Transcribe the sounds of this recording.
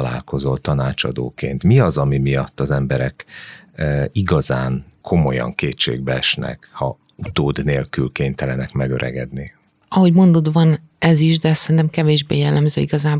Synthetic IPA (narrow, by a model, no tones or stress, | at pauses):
la̰ːlko̞zo̞lt̪ɒnaːt͡ʃɒ̰d̪o̰ːkeːnt̪miɒzɒmimijɒt̪ːɒzɛmbɛɾɛkː | iɡɒzaːnkʰo̞mo̞jɒ̰ŋkeːtt͡ʃːḛːɡ̚bɛɛʃnɛ̰khɒ | ut̪oːd̪neːlkylkeːnt̪ɛlɛnɛkmɛɡøɾʔɛ̰ɡɛ̰d̪ni | ɒɦo̞ɟmo̞nd̪o̞d̪vɒn | ɛziʒd̪ɛssɛɾint̪ɛmkɛveːʒbeːjɛlːɛmzøːiɡɒzaːb